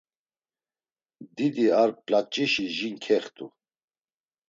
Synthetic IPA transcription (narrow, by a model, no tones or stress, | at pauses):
d̪id̪iaɾpʼlak̚t͡ʃʼiʃiʒiŋkʰɛχt̪ʼu